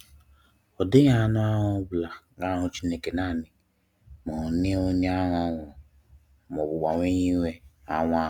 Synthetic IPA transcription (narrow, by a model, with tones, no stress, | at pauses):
ɔ˨dɪ˦ɲa˦˨nʊ˦a˦ɦʊ˦bla˨ | ɡa˦ɦʊ˦t͡ʃi˦ne˦ke˨na˦˨nɪ˨ | mɔ˨ne˦o˦ɲa˦ɦɔ˦ŋʷʊ˨ | m˨ɔ˨bʊ˨ɡ͡ba˨ŋʷ˦e˦ɲi˦wʷe˦a˦ŋʷ˦a˦